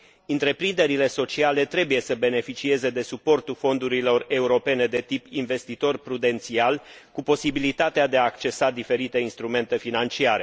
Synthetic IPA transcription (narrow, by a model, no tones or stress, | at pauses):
ɨnt̪ɾe̞pɾind̪e̞ɾile̞so̞t͡ʃiale̞t̪ɾe̞buje̞səbe̞ne̞fit͡ʃie̞ze̞d̪e̞supo̞rt̪ulfo̞nd̪uɾilo̞re̞uɾo̞pe̞ne̞d̪e̞t̪ipinve̞st̪it̪o̞rpɾud̪e̞nt̪sialkupo̞sibilit̪at̪ead̪e̞aːkt͡ʃe̞sad̪ife̞ɾit̪e̞inst̪ɾume̞nt̪e̞finant͡ʃiaɾe̞